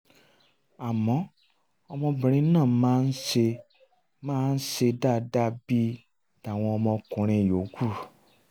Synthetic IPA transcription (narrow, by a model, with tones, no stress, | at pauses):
a˨mɔ̃˨˦ | ɔ˧mɔ̃˧bĩ˨ɾ̃ĩ˦nãː˦˨mãː˦n̩˦ʃe˧ | mãː˦n̩˦se˧da˦˨da˦bi˦ | da˨w̃ɔ̃˧ɔ˧mɔ̃˧kũ˨˦ɾ̃ĩ˧˨jo˨˦ɡu˦˨